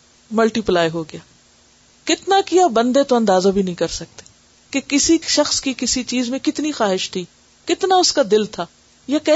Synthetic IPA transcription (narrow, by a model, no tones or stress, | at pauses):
mɐlʈiplaːjɦoɡɪjaː | kɪt̪nakijabɐ̃nd̪et̪oɐ̃nd̪aːzabʱinɐɦĩkɐɾsɐk̚t̪e̥ː | kekɪsiʃɐxskikɪsit͡ʃiːzmẽkɪt̪nixaːɦɪʃt̪ʰiː | kɪt̪naʊskad̪ɪlt̪ʰaː | jakɛ